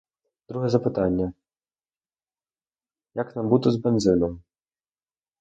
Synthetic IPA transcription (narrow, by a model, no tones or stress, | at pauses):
d̪̥ɾuɦɛzɐpɪt̪ɑnʲːɐ | jɐknɑmbut̪ɔzbenzɪnɔm